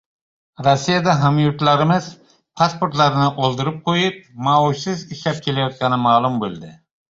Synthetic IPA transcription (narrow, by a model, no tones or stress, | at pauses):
ɾosːijad̪aɦamjuɾt̪laɾɪmɪz̥ | pʰaspoɾt̪laɾɪnɪʔolˠd̪ɪɾɪp̚qʰojɪp̚mauʃsɪziʃlap̚kʲʰelajɒt̪̚kʲɑnɪmaːlˠumbolˠd̪ɪ